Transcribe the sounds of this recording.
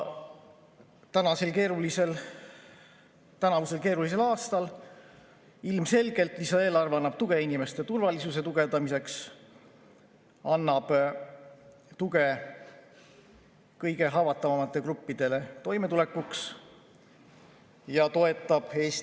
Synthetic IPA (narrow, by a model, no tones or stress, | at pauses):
t̪ænɑse̞lke̞ːɾulise̞l | t̪ænɑvuse̞lke̞ːɾulis̬e̞lɑːst̪ɑl | ilmse̞lɡ̥e̞lt̪ˑisɑeːlɑrvɑnːɑb̥̚t̪uɡ̥e̞inime̞st̪e̞t̪urvɑlisuse̞t̪uɡ̥e̞d̪̥ɑmise̞ks | ɑnːɑb̥ | t̪uɡe̞ | kɤjɡ̥e̞ɦɑvɑt̪ˑːɑvɑmɑt̪ːˑe̞krupːid̪̥e̞le̞t̪o̞jme̞t̪ule̞kːˑuks | jɑt̪o̞e̞t̪ːˑɑb̥e̞ːs